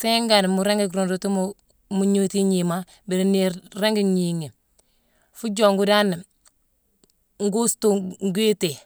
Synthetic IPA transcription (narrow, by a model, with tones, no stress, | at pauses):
se˦ŋɡa˨n˨mu˨ɾe˦ŋɡe˨kɾo˨ndu˨tu˦mu | mu˨ɲu˦ti˦ɲi˨ma˦ | bi˨ɾi˨ni˨ɾe˦ŋɡi˦ɲi˨ŋe˨ | fu˦d͡ʒo˨ŋɡu˦da˦n˨ | ŋ˦ɡu˦stu˨ŋɡu˦i˦te˨